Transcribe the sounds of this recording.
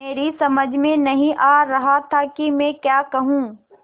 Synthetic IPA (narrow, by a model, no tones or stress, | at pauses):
eːɾisɐməd͡ʒʱmẽnɐɦĩʔaːɾɐɦat̪ʰakimɛ̃ːkjaːkɐɦũː